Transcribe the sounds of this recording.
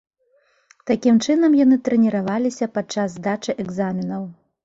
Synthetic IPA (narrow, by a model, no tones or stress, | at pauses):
t̪akʲimt͡ʂɨnɐmjanɨt̪ɾɛnʲiɾavalʲisʲɐpat͡ʂːazːd̪at͡ʂɨʔɛɡzamʲinɐw